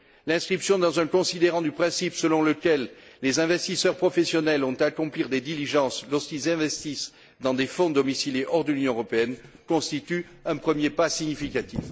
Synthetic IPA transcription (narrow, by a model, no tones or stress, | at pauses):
lɛ̃skχipsjɔ̃d̪ɑ̃zɛ̃kɔ̃sid̪eʁɑ̃d̪ypχɛ̃sipsəlɔ̃ləkɛlːezɛ̃vɛst̪isœʁpχɔfesjɔnɛlɔ̃t̪akɔ̃pliʁd̪ed̪iliʒɑ̃slɔʁskilzɛ̃vɛst̪is | d̪ɑ̃d̪efɔ̃d̪ɔmisiljeʔɔʁd̪əlynjɔ̃əʁɔpeɛn | kɔ̃st̪it̪y | ɛ̃pχəmjepasiɲifikat̪if